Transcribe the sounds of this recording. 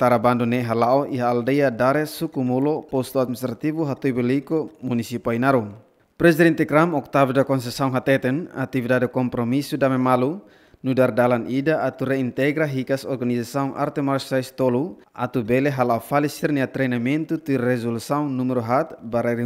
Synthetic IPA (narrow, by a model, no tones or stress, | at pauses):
t̪aɾabandunɛɦalaɔʔiɦaːldɛjadaɾɛsukumulɔpɔst̪uat̪̚mist̪ɾat̪ivuɦat̪ɔibɛlikɔmunisipainaɾuŋ | pɾɛsidɛnt̪ɛkɾamɔk̚t̪avdakɔns̬ɛsauŋɦat̪ɛt̪ɛna̰t̪ivdadɛkɔmpɾɔmisudamɛmalu | nudardalanʔidaʔːt̪uɾɛint̪ɛɡɾaɦikasɔrɡanisasauŋʔa̰rt̪ɛmarsaist̪ɔlu | a̰t̪ubɛlɛɦalaɔfalisirniat̪ɾɛnamɛnt̪ut̪irɛzulsauŋnumɛɾɔɦat̪baɾaɾi